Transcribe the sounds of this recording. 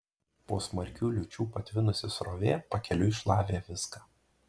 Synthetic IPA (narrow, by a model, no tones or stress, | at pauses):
poːsmɐɾʲkʲuːlʲʊt͡ʃʲuːpɐt̪ʲʋʲɪnʊsʲɪsɾoːʋʲeːpɐkʲɛlʲʊɪʃlˠɑːʋʲeːʋʲɪskaː